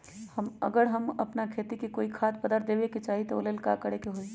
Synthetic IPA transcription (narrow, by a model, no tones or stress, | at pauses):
hɐmɐ̰ɡəɾɦɐmɐpnakʰeːt̪ikikoːikʰaːt̪̚pəd̪əɾd̪eːʋeket͡ʃaːɦit̪oo̰lelka̰ːkəɽekeɦoːi